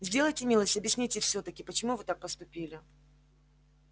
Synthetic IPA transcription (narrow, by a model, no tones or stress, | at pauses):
zʲdʲe̞lˠəjtʲɪmʲilˠəsʲtʲɐbʲjɪsʲnʲitʲɪfsʲɵt̪əkʲɪpət͡ɕɪmuvɨt̪ak̚pəst̪ʊpʲilʲɪ